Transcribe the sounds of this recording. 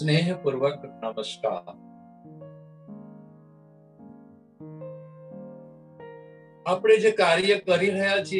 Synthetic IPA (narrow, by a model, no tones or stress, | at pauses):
neːɦpuɾʋəkːəɾɳaʋəsʈa̰ | apɽ̃ed͡ʑekaɾjəkəɾiɾ̤əjat͡ɕi